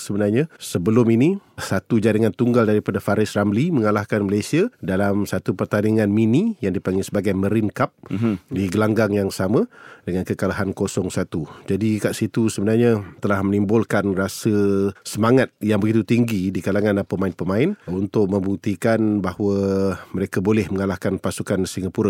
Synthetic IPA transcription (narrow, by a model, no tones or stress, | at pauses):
səbənarɲãsəbəlʊminisat̪ud͡ʒaɾəŋant̪uŋɡaldaɾipadafaɾɪsramliməŋalahkanməlajsiadalamsat̪upərt̪aniŋanminijaŋdipaŋɡisəbaɡajməɾinkap̚diɡəlaŋɡaŋjaŋsamãdəŋankəkalaɦankosɔŋsat̪ud͡ʒadikaʔsit̪usəbənarɲat̪əlahmənimbʊlkanrasəsəmaŋat̪̚jaŋbəɡit̪ut̪iŋɡidikalaŋanapəmaɪnpəmãɪnunt̪ʊk̚mə̃mbuk̚t̪ikanbahwəməɾekabolɛhməŋalahkanpasukansiŋapuɾa